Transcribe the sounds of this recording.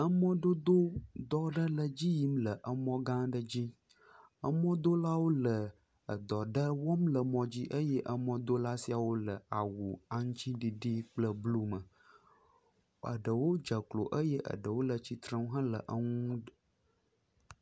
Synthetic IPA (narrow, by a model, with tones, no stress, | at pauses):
ə˦mɔ̃˦ɖo˦d̪o˦d̪ɔ˦ɖə˦lə˨d͡ʑi˦ji˦mlə˨ʔə˨mɔ̃˦ɡã˦ɖə˦d͡ʑi˦ | ə˦mɔ̃˦d̪o˦la˦wo˦lə˨ | ə˨d̪ɔ˨ɖə˦wɔ˦mlə˨mɔ̃˨d͡ʑi˦ʔə˦jɛ˦ʔə˦mɔ̃˦d̪o˦la˦si˦a˨wo˦lə˨a˨wu˨a˨ŋ̃˦t͡ɕĩ˦ɖi˨ɖi˦k͡plə˦blu˦mə˨ | ə̰˨ɖə˨wo˦d͡ʒə˨klo̰˨ʔə˦jɛ˦ʔə̰˨ɖə˨wo˦lə˨t͡ɕi˦t̪ɾə̃˦ŋũ˦ɦã˦lə̰˨ʔə˦ŋũ˦